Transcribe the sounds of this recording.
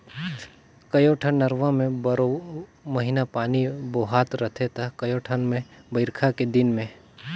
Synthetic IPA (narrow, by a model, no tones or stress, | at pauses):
kɐjoʈʰənːɐɾʋãmẽbəɾomɐɦɪnapaːniboːɦaːt̪ɾɐt̪ʰet̪ʰakɐjoʈʰənmẽbəɪɾkʰaked̪ɪnmẽ